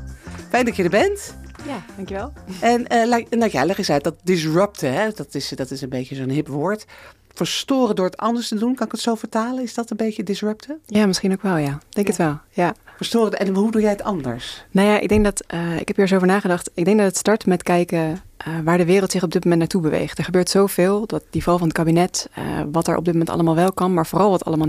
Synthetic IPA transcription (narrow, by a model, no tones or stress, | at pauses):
fɛjndɑcədəɹbɛntjad̥ɑŋkjəʋɛlˠɛnəlaɛnlaɛlɛχəsɛjt̚dɑt̚dɪs̬ɹœp̚təɦɛdɑtɪsdɑtɪsənbejcəzonɦɪpʋʊːɹt | fəɹstʊːrədʊːɹətɑndəɹstədunkɑnɪkətsowvəɹtaːlənɪzdɑtənbejcədɪsɹœp̚təjaːmɪsχinowkʋɛlˠjad̥ɛŋkətʋɛlˠjafəɹstoːrəɛnɦudujɛjətɑndə̰ɹsnawjaːʔɪ̰ɡ̚dɛŋk̚dɑtəɪ̰kɦɛpiːɹs̬oːvəɹnaːχədɑχtɪɡdɛŋkdɑtətstɑɹtmɛtkɛjkəʔəʋaːɹdəʋɪːrəlˠtsɪχɔb̚dɪt̚momɛntnaɹtubəʋḛjχtɛɹχəbøːɹtsowvɪːlˠdɑt̚d̥ivɑlˠvɑnətkabinɛtə̰ʋɑtɛ̰ɹʔɔ̰b̚dɪtmomɛntɑ̰lˠəmaːlˠʋɛlˠkɑnmaːɹvoːrɑlˠʋɑtɑ̰ləmaː